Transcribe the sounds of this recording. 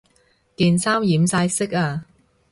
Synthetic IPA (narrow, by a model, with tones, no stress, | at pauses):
kiː˨nsaː˥wjiː˨˥msaː˧jsɪ˥k̚aː˧